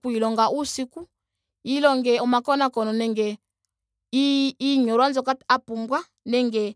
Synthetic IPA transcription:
kuilɔŋɡaʔusiku | ilɔŋɡɛɔmakɔnakɔnɔnɛŋɡɛ | iiɲɔɾwanzɔkaapumbwa | nɛŋɡɛ

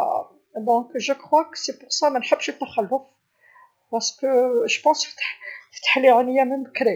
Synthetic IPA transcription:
d̪ɔ̃kʒəkχwaksepʊʁsamænħəbːʃət̪ːæxælːʊf | bɑʁskəʒpɑ̃sft̪ḁħft̪ːḁħliʕanəjːæmənbəkɾi

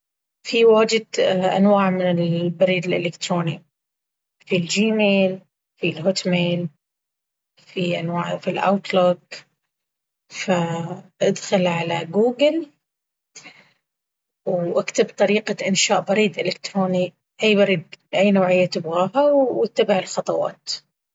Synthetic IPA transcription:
fiwaːd͡ʒɪd̪ʔa̰nwaːʕmɪnɪlbɪɾiːd̪ɪlʔɪlɪkt̪ɾoːni | fild͡ʒiːmeːl | filɦʊt̪meːl | fiʔanwaːʕfilʔa̰wt̪loɡ | faʔad̪xalʕalaɡuːɡɪl | wʔakt̪abt̪ˤɑɾiːqaʔɪnʃaːʔbɑɾiːd̪ʔɪlɪkt̪ɾoːni | ʔajːbɑɾiːd̪̚ʔajːnoːʕɪjːat̪ɪbɣaːɦawɪt̪ːabaʕɪlxɑt̪ˤɑwɑ̰ːt̪

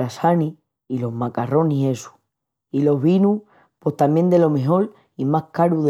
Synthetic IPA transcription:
asani | ilo̞ɦmakaro̞nie̞su̥ | ilo̞ɦβinu | po̞ht̪amje̞nd̪e̞lo̞me̞ɦo̞ɾ | imahkaɾuð

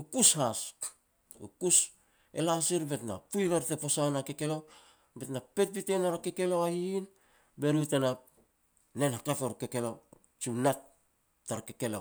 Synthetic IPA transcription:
ukushas | ṵkus | e̞lasiɾbe̞tna̰pujβeɾtepo̞sanake̞ke̞lo̞ | be̞tnape̞t̚bite̞naɾake̞ke̞loahiːn | be̞ɾutena | nenhatafeɾkeke̞lo | t͡ʃinat | tːaɾakeke̞lo̰

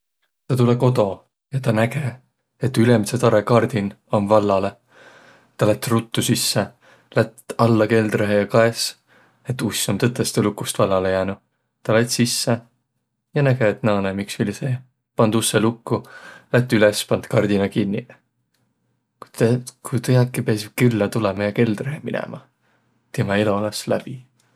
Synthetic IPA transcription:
t̪ɑt̪uleko̞t̪o̞ | jɑt̪ɑnæɡ̥e | et̪ːylemset̪ɑɾekɑrd̪̥inomvɑlːɑle̞ | t̪ɑlet̪ːˑrut̪ːusisːe | læt̪ɑlːɑke̞ld̪reɦejɑkɑes | e̞t̪ːusʲːomt̪ɤt̪ːˑest̪elukːˑust̪vɑlːɑle̞jæːnu | t̪ɑlet̪sisːe | jɑnæɡ̥eet̪ːˑnɑːnemiksilʲiseː | pɑnd̪usːelukːulæt̪ːˑylespɑnd̪̥kɑrd̪̥inɑkinʲːi | kukujt̪ɤjɑkːipeɑskylːɑt̪ulɛmɑjɑke̞ld̪̥reɦeminɛ̰mʔɑ | t̪emɑelo̞lɑslæ̰b̥i

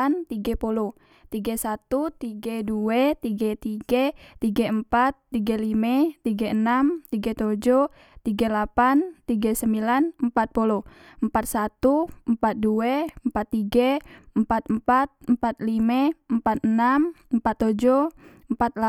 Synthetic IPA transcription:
nt̪iɡɛpulɔ | t̪iɡɛsat̪ut̪iɡɛduɛt̪iɡɛt̪iɡɛt̪iɡɛəmpat̪ːiɡɛlimɛt̪iɡɛənamt̪iɡɛt̪od͡ʒɔ | t̪iɡɛlapant̪ːiɡɛsəmbilanəmpat̪̚pulɔ | əmpat̪̚sat̪uəmpat̪̚duɛəmpat̪ːiɡɛəmpat̪̚əmpat̪̚əmpat̪̚limɛəmpat̪̚ənaməmpat̪ːod͡ʒɔ | əmpat̪̚la

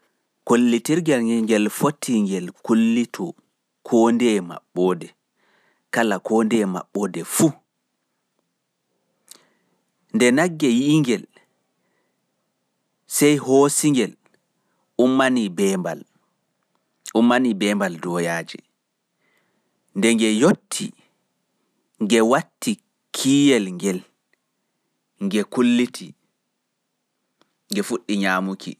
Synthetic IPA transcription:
kolːitiɾɡɛlŋɡɛlfotʰːiŋɡɛlkolːitʰɔ | kʰoːndɛma̰ɓːɔdɛ | kalakoːndɛma̰ɓːɔdɛfu | ndɛnaɡːɛjiŋɡɛl | sɛjhosiŋɡɛl | umːanibɛmba̰l | ʔumːanibɛːmbaldɔjaːd͡ʒɛ̰ | ndɛŋɡɛjotʰːḭ | ŋɡɛwatːi | kʰiːjɛlŋɡɛl | ŋɡɛkulːitʰi | ŋɡɛfuɗːiɲaːmukʰḭ

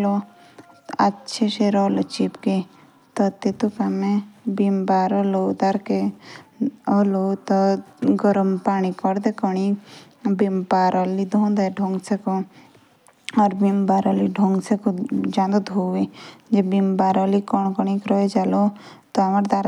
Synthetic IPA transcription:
lo | atːt͡ʃʰeʃeɾɔːlot͡ʃipke | t̪ɔt̪et̪ukamẽbimbaːɾɔlod̪aɾke | ɔlot̪ɔɡɔɾəmpaːñikɔɾd̪ekɔɳi | bimpaɾɔlid̪ʱõːnd̪aɖʱõŋɡseko | ɔːɾbimbaɾɔliɖʱõŋɡsekod͡ʒãːnd̪od̪ʱoʋed͡ʒebimbaːɾɔlikɔɳ̃kɔɳ̃ikɾɔed͡ʒalot̪ɔamaɾd̪aɾ

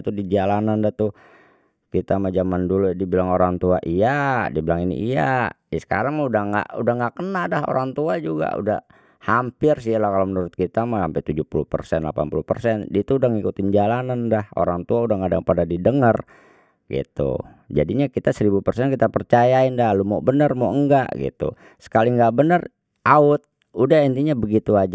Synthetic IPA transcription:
t̪udid͡ʒalanandaht̪u | kit̪amad͡ʒamanduludibilaŋoɾaŋt̪uaʔijadibilaŋinḭʔijadisə̥ka̰ɾaŋudahŋɡa̰ʔudahŋɡaʔkənadaɦo̰ɾaŋt̪uad͡ʒuɡa̰ṵda̰ | hampɪrs̬ialahkalomənuɾʊt̪̚kit̪amaampɛt̪ud͡ʒuhpuluhpə̰rsɛnla̰pa̰npulupə̰rsɛndit̪uːdaŋikut̪ɪnd͡ʒalanandaho̰ɾaŋt̪uaudahŋadaŋpadadidəŋər | ɡḭt̪ṵ | d͡ʒa̰diɲakit̪asəɾibupərsɛnkit̪apərt͡ʃajaɪndalumobənərmoʔəŋɡa̰ʔɡḭt̪ṵ | sə̥kaliŋɡaʔbənər | ʔaʊt̪̚ | udahint̪iɲabəɡit̪uad͡ʒa

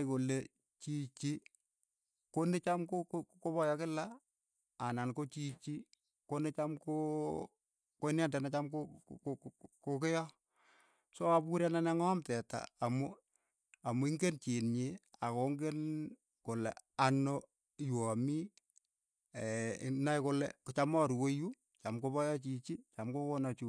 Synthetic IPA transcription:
kole | t͡ʃit͡ʃi | konet͡ʃamkokkoβɔjɔkɪla | anankot͡ʃit͡ʃi | konet͡ʃamko | koɪnandɛnat͡ʃamko | kokɪjɔ | soapuɾjananɛŋɔmtɛta̰ːmʊ | amuiŋɡent͡ʃinɲɪakoŋɡen | kolɛ̰ano | jwɔmi | ɛ̰najkolɛ̰kt͡ʃamɔɾwoju | t͡ʃamkoβɔjɔt͡ʃit͡ʃit͡ʃamkokonat͡ʃu

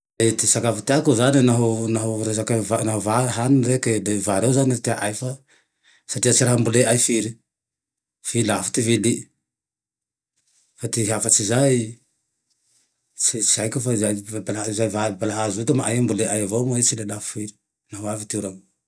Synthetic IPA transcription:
at̪isakavit̪eakazaninaɦunaɦuɾezakavanaɦavaɦanɾekelevaɾewzanit̪eaʔajfa | satiat͡siɾaɦambuleajfiɾi | filafi̥t̪ivili | fat̪iɦafat͡ʃizaj | t͡ʃit͡ʃiajkufazajbalazajvabalaɦazut̪amaʔa̰jambuleʔajavamet͡ʃilelaffiɾi̥ | naɦoavit̪euɾamu

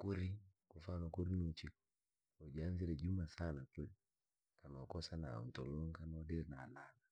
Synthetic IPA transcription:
kuɾikufanɔkuɾinut͡ʃikɔ | ɔd͡ʒanziɾɛd͡ʒumasanakɛli | kanɔːkɔsana̰n̩tɔlɔŋkanaɔdɛɾɛnaːlana

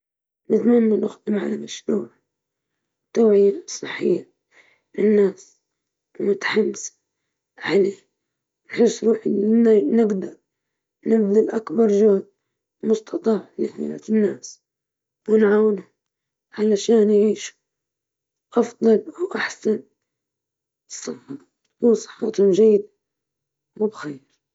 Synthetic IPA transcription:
mɪt̪manːanʊxd̪ɪmʕa̰lamaʃɾṵːʕ | t̪aːʕɪjasˤɨħːɪ̰jːa | lɪnːaːs | wmʊt̪ḁħamːsḁ | ʕaleː | nħɪsːɾuːħʔɪnɪnanɪɡd̪ɑɾˤ | nɪbd̪ɪlʔakbɑɾˤʒoːd̪ | mʊst̪ʰɑt̪ˤɑːħnɪħmɪ̰la̰ɪnːaːs | wɪnʕawnʊ | ʕalaaʃaːnjʕiːʃu̥ | ʔɑfd̪ˤɑlwʔaħsan | sˤɨħʊ | kunsˤɨ̥ħːɑt̪hʊmʒajːɪd̪a | mʊbxeːɾ

